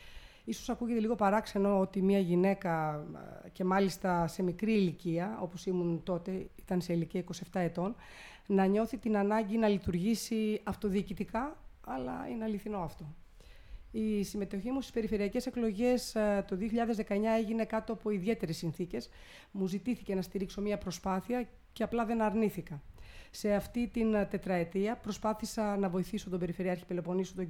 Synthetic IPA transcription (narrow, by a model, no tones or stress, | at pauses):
iso̞̥sɐkuʝe̞t̪e̞liɣo̞pɐɾɐkse̞no̞ot̪imiɐʝine̞kɐ | ce̞mɐlist̪ɐse̞mikɾiːliciɐo̞̰po̞simunt̪o̞t̪e̞it̪ɐnseiliciɐiko̞sie̞ft̪ɐe̞t̪o̞n | nɐɲo̞θit̪inɐnɐɲɟinɐlit̪uɾʝisiɐft̪o̞ðiːcit̪ikɐɐlɐ̰ḭneɐliθino̞ɐft̪o̞ | isime̞t̪o̞çimust̪i̥spe̞ɾife̞ɾiɐce̞se̞klo̞ʝe̞st̪o̞ðioçiʎɐðe̞zðe̞kɐe̞ɲɐe̞ʝine̞kɐt̪o̞ɐpo̞iðie̞t̪e̞ɾesːinθice̞s | muzit̪iθice̞nɐst̪iɾikso̞miɐpɾo̞spɐθiɐ | ceɐplɐðe̞nɐɾniθikɐse̞ɐft̪it̪int̪e̞t̪ɾɐe̞t̪iɐpɾo̞spɐθisɐnɐvo̞iθiso̞t̪ombe̞ɾifeɾiɐɾçipelo̞po̞nisot̪o